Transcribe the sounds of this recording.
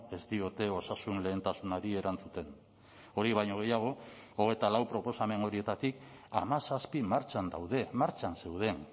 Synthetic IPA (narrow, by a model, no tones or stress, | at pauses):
e̞st̪io̞t̪e̞o̞sasunle̞ːnt̪asunaɾie̞ɾant͡sut̪e̞n | o̞ɾiβ̞ajɲoɣ̞e̞jaɣ̞o̞oɣ̞e̞jt̪alawpɾo̞po̞same̞no̞ɾie̞t̪at̪ik | a̰masaspimaɾt͡ʃand̪a̰wðe̞maɾt͡ʃanse̞wð̞e̞n